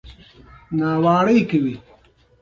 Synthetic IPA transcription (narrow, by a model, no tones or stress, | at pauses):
naːwaːɽɐjkewi